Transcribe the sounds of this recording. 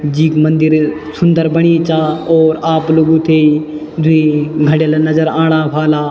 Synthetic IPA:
d͡ʒiːkmə̃nd̪ɪɾ | sʊnd̪əɾbəɽ̃it͡ʃaːɔːɾaːploɡũt̪ʰeːi | d̪ʱʊĩɡʱəɽjəlnɐzəɾãːɽ̃aːpʰaːlaː

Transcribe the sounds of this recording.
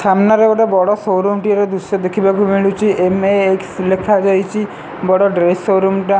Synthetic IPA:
sʰamnaɾeʋɔʈebɔɽɔsoɾumʈiɾed̪usɔd̪ekʰibakumiɭut͡ʃʰiemeekslekʰad͡ʒajt͡ʃʰi | bɔɽɔɖɾesːoɾumʈa

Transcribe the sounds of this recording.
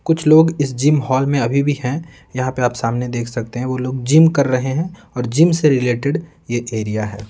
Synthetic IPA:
kʊt͡ʃʰloːɡɪsd͡ʒiːmɦɔːlmẽɐbʱibʱihɛ̃ | jɐɦãpeaːpsaːmned̪eːkʰsɐk̚t̪eɦɛ̃ʋoːloːɡ̚d͡ʒimkɐɾːɐɦeɦɛ̃ | ɔːɾd͡ʒimseɾɪleːʈɪɖ | jeʔeːɾijaɦɛː

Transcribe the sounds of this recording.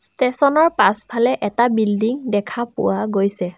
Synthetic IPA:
stesɔnɔɹpaspʰalɛʔɛtabildiŋdɛkʰapʊ̰waɡojsɛ

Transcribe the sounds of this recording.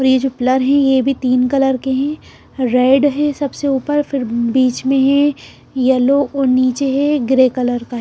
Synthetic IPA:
ɔːɾjed͡ʒopɪləɾɦɛ̃jebʱit̪iːnkɐləɾkeɦɛ̃ | ɾeːɖɦɛ̃sɐbseuːpəɾfɪɾbiːt͡ʃmẽɦɛ̃ | jɐloʔɔːɾniːt͡ʃeɦɛɡɾeːkɐləɾkaɦɛ

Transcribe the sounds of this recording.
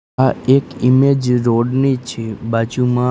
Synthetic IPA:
aekimed͡ʒɾoɖnit͡ʃʰebat͡ʃumã

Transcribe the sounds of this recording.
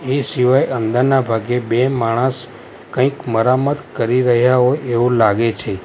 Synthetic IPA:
esiʋajʔənd̪əɾnabʱaɡebemaɽ̃əs | kə̃ĩkməɾamət̪kəɾiɾəɦjaɦoeʋũlaɡet͡ʃʰe

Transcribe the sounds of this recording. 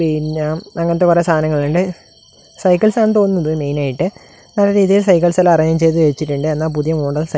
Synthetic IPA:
eɻɲːaːmɐŋːɐnɐt̪̬ːeɐresʰaːɐnɐŋːɐɭuɳɖɨ | sɐjkːɐlsaːnt̪o̞nunːɐðɨme̞jnaːjiʈːɨ | nɐlːɐɾiːðijilsɐjk̬ːɐlsɐlaɐrɐɲɐmt͡ɕe̞jt̪̬ːɨʋeit͡ɕːiʈːuɳɖɨenːaːp̬uðijɐmoːɖɐðsɐ

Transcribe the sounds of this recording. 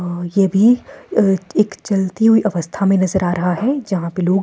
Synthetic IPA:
jebʱi | ekt͡ʃɐlt̪iɦuiʔɐʋəst̪ʰamẽnɐzəɾaːɾɐɦaɦɛd͡ʒɐɦãpeloːɡ

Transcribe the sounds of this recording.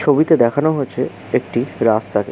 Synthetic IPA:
t͡ɕʰobit̪ed̪ɛkʰanoɦoet͡ɕʰe | ek̚ʈiɾast̪ake

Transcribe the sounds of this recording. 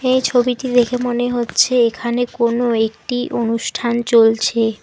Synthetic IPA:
ejt͡ɕʰobiʈid̪ekʰemoneɦotːɕʰeekʰanekonoek̚ʈiʔonuʃʈʰant͡ɕolt͡ɕʰe

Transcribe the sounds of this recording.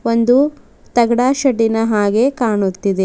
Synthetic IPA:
o̞nd̪u | t̪ɐɡɐɽaːʃɐʈːinɐɦaːɡe̞kaːɳut̪ːid̪e

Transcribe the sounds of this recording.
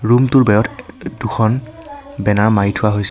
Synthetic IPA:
ɹumtʊɹbɛɹɔtduxʰɔnbɛnaɹmaɹitʰʊwaɦojs

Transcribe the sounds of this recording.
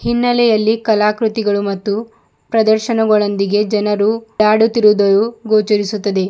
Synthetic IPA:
hinːɐlɛjɐlːikɐlaːkɾut̪iɡɐɭumɐt̪ːu | pɾɐd̪ɐɾʃɐnɐɡɐɭɐnd̪iɡe̞d͡ʒɐnɐɾuaːɽut̪iɾud̪ɐɾuɡoːt͡ʃɐɾisut̪ːɐd̪e̞

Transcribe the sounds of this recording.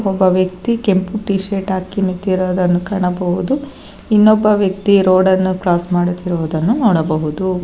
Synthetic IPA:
ɔbːɐʋjɐk̚t̪ike̞mpuʈiːʃeːʈaːkinit̪ːiɾoːd̪ɐnːukɐɳɐbɐɦud̪u | inːɔbːɐʋjɐk̚t̪iɾoːɽɐnːuklaːsmaːɽut̪iɾɔʋd̪ɐnːunɔːɽɐbɐɦud̪u

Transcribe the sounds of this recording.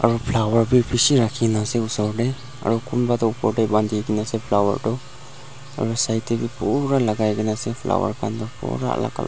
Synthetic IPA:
aɾɔpʰlawaɹbipʰisiɾakʰinasɛusɔɹdɛ | a̰ɾɔkʰunbadɔpɔɹdɛband̪ʱiɡɛnasɛpʰlawa̰ɹdɔ | a̰ɾɔsajtɛbipɔɾalaɡajɡɛnasɛpʰla̰wa̰ɹkʰandɔpɔ̰ɾa̰ʔla̰ɡa̰l

